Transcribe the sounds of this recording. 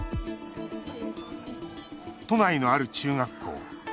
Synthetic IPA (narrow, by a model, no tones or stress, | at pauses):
t̪o̞naino̞aɾɯ̟t͡ɕɨːŋakʰːo̞̰ː